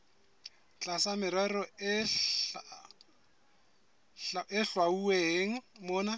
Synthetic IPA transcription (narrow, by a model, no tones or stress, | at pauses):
t͡ɬʼasamɪɾɛrɔ | ɪɬwaueɦeːŋ̩mʊːna